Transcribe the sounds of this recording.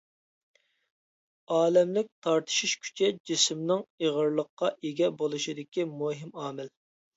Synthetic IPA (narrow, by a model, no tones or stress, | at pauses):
ɑːlɛmlɪk̚ʲt̪ʰɑɾt̪ʰɨ̥ʃiʃkʲʰy̥t͡ʃʰɛd͡ʒismnɨŋeʁəɾlˠəqːɑʔeɡʲɛbolˠɨʃid̪ɪkʲimoɦɪmɑːmɪl